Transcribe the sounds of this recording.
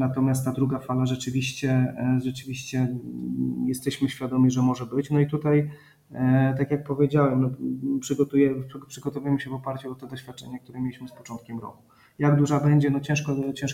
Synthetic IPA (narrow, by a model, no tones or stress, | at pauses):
nat̪ɔmʲjast̪t̪ːad̪ɾuɡafalaʐɛt͡ʂɘvʲiɕt͡ɕɛʐɛt͡ʂɘvʲiɕt͡ɕɛ | jɛst̪ɛɕmɘɕfʲjad̪ɔmʲiʐɛmɔʐɛbɘt͡ɕnɔit̪ut̪aj | t̪akjak̚pɔvʲjed͡ʑawɛmnɔpʂɘɡɔt̪ujɛpʂɘɡɔt̪ɔvujɛmɘɕɛvɔpaɾt͡ɕuɔt̪ɛd̪ɔɕfʲjat̪̚t͡ʂɛɲɛkt̪uɾɛmʲjelʲiɕmɘspɔt͡ʂɔnt̪̚kʲɛmɾɔ̰ku̥ | jaɡd̪uʐabɛɲd͡ʑɛnɔt͡ɕɛ̃ʂkɔt͡ɕɛ̃ʂ